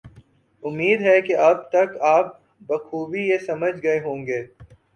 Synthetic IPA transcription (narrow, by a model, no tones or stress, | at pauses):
ʊmːiːd̪ɦɛkeʔɐb̚t̪ɐkaːp̚ | bɐkʰuːʋijesɐməd͡ʒɡɐeɦõːŋɡeː